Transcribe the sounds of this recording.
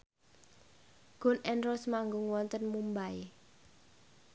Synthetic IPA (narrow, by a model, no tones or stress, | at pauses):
ɡ̥ʊ̤nʔɛnɾɔsmaŋɡʊŋwɔnt̪ənmumbae